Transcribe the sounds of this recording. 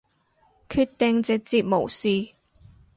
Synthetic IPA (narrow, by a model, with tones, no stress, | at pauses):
kʰyː˧t̚t̪ɪ˨˧ŋt͡sɪ˨k̚t͡siː˨˧t̚mo˨˩wsiː˨˧